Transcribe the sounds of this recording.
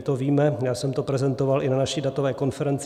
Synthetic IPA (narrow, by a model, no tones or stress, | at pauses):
t̪oviːmɛjaːsɛmt̪o̞pɾɛzɛnt̪o̞valʔɪnanaʃidat̪o̞vɛːko̞nfɛɾɛnt͡s